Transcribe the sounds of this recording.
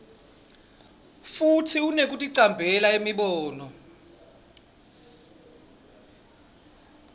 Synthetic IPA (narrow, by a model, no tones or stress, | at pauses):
futʰiunek̬ʼutʼiǀambʱɛlaemiɓɔːnɔ